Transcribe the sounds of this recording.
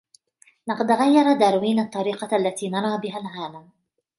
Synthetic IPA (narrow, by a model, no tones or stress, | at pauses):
nɑqɑd̪ɣajːɑɾˤɑd̪aːɾwiːnɑt̪ˤːɑɾiːqɑʔalːat̪iːnɑɾˤɑːbɪɦalʕaːlam